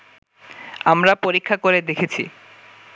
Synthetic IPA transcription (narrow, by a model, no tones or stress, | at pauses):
amɾapoɾikʰːakoɾed̪ekʰet͡ɕʰḭ